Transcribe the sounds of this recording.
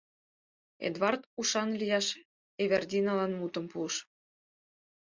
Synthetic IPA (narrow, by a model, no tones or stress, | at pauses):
ḛd̪βɑrt̪uʃɑnlʲijɑʃ | eβerd̪ʲinɑlɑnmut̪ə̆mpuəʃ